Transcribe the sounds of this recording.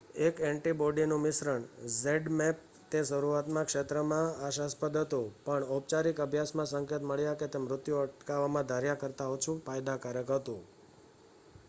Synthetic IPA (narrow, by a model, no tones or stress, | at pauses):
ekɛɳʈiboɖinũmɪsɾəɳzeɖmɛp̚ | t̪esəɾuat̪mãkʃet̪ɾəmãaʃaspəd̪ɦət̪ũpəɳop̚t͡ʃaɾikəbʱjasmãsəŋket̪məɭjaket̪emɾʊt̪juəʈkaʋamãd̪ʱaɾjakəɾt̪aɦot͡ʃʰũfajd̪akaɾəkɦət̪ũ